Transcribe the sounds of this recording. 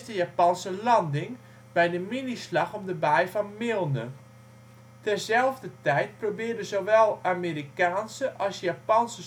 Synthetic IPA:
stəjapɑnsəlɑndɪŋ | bɛjdəminislɑχɔmdəbɛjfɔnmɪlˠnə | tɛrzɛlˠvdətɛjt̚probɪːdəzoʋɛlˠamiːɾikaːnsəʔɑlˠsjapɑnsə

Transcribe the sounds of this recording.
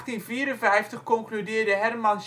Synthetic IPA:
χtinviːəɾənvɛjftəχkɔŋklydɪːrdəɦɛrmɑns

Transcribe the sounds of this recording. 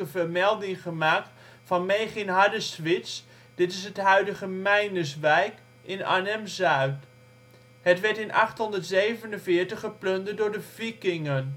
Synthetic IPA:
əvəɹmɛlˠdɪŋχəmaːk̚t | fɑnmejχɪnɦadəstʋɪts | d̥ɪtɪs̬ɦətɦœɥdəχəmɛjnəs̬ʋɛjk | ɪna̰ːnɛmzœɥt | ɦətʋɛɹtɪnʔɑ̰χtɦɔndəɹtzejvənənvɪːɹtəχəplɵndədʊːɹdəvikɪŋən

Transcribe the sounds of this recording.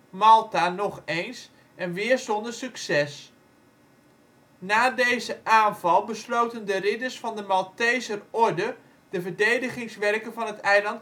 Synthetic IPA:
mɑlˠtanɔχejns | ʔɛnʋɪːɹsɔndəɹsyksɛs | naːdejzəʔaːnvɑlˠbəslowtəndərɪdəɹsfɑndəmɑlˠtɛjzərɔɹdə | d̥əvəɹdejdəχɪŋsʋɛrkənvɑnɦətɛjlɑnt

